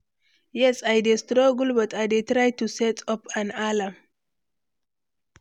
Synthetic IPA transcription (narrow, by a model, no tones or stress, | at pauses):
jɛsajdestɾoɡulbɐtajdet̪ɾajtusɛtɔpʰãnalam